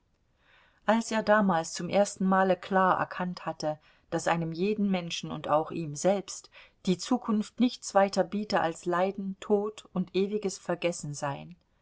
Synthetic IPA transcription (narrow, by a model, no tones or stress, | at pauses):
ʔalsʔeːɐdaːmaːlst͡sʊmʔeːɐstn̩maːləkʰl̥aːɐʔɛ̰ɐkʰanthatə | d̥asʔaɪnəmjeːdn̩mɛnʃn̩ʊ̰nta̰ʊxʔiːmzɛlpstd̥iːt͡suːkʰʊnftnɪçt͡sv̥aɪtɐbiːtəʔa̰lslaɪdn̩tʰoːtʊntʔeːvɪɡəsfɛɐɡɛsn̩zaɪn